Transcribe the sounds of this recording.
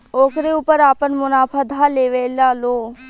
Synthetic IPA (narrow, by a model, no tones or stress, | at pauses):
oːkɾeuːpəɾaːpənmʊnaːfʰad̪ʱaleːʋeːlaːloː